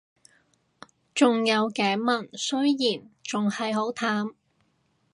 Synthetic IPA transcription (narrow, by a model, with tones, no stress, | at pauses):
t͡sʊ˨ŋjɐ˨˧wkɛː˨˥mɐ˨˩nsɵ˥ɥjiː˨˩nt͡sʊ˨ŋhɐ˨jɦo˨˥wt̪ʰaː˨˥m